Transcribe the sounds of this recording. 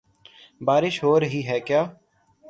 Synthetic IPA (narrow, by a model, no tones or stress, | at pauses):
baːɾɪʃɦoːɾəɦiɦɛːkjaː